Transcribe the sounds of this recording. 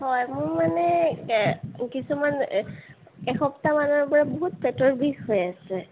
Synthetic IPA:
hɔjmʊɹmanɛ | kisuman | ɛxɔptamanɔɹbɔɹaboɦut̚pɛtɔɹbʱiɡɦojasɛ

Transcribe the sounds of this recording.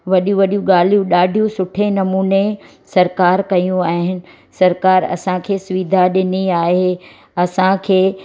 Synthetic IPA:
ʋɐɗjũʋɐɗijũɠaːl̤ijũɗaːɖʱijũsʊʈʰenɐmuːne | sɐɾkaːɾkɐjũaːɦɪnɪ̆ | sɐɾkaːɾɐ̰sãkʰeːsʊʋid̪ʱaɗɪniaːɦe | ɐsãkʰeː

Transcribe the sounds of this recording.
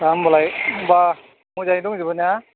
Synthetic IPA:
kambɔlajba | muzanduŋzibɔna

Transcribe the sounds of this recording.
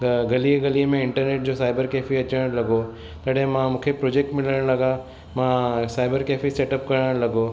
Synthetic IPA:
ɡɐliɡɐliəmẽɪɳʈəɾneːʈ̚d͡ʑosaːɪbəɾkeːfiɐt͡ɕəɽ̃ɽ̃lɐɡo | t̪ɐɽɦẽmãmũːkʰepɾoːd͡ʑeːk̚ʈmɪləɽ̃lɐɡã | mãsaːɪbəɾkeːfiseːʈəp̚kɐɾəɽ̃lɐɡo

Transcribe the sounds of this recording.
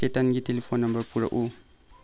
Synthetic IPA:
etanɡitelefonːɐmbɐrpuɾɐ̰ʔu

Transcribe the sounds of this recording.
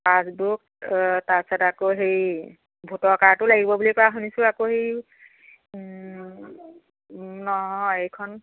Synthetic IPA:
pasbuk̚tasatakoɦej | bʱutɔɹkaɹtʊlaɡibɔbulikɔɹaɦunisʊ̃akohej | nɔɦɔjejkʰɔn

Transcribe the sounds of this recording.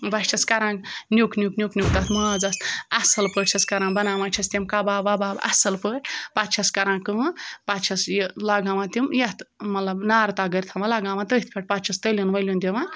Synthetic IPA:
bɐʃt͡ʃʰɐskɐɾãːɡnʲukʰnʲuknʲjuknʲuk̚t̪at̪mɐd͡zast̪ɐsɐlpəʈt͡ʃʰɐskɐɾãːnbɐnaːmat͡ʃʰɐst̪ʲimkabaːbabaːbɐ̰sɐlpəʈpat̪t͡ʃʰɐskɐɾãːkɨmpat̪t͡ʃʰɐsjlaɡaːmãt̪imjɐt̪mɐt̪lɐbnaːɾt̪aːɡəɾʲt̪ʰɐmalaɡãːmãt̪əit̪̚ʰpʰʲeʈ̚ʲpat̪t͡ʃʰɐst̪əlʲunʋɐlʲund̪ʲimã

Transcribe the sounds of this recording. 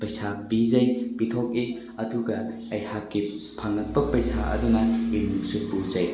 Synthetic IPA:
pɐjsabizɐjbitʰok̚i | ɐduɡɐ | ɐjhakːi | pʰaŋɐt̚pɐpɐjsaʔɐ̰dunɐinuksut̚buzɐj

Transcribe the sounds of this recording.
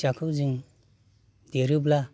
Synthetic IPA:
t͡ʃakʰɯzɯŋ | deɾɯbla

